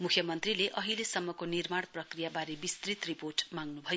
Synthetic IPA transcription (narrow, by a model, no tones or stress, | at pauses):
mukʰjʌmʌnt̪rileʔʌɦilesʌmːʌkonirmaɽprʌkrijabaɾebist̪rit̪riporʈmaŋnubʱʌj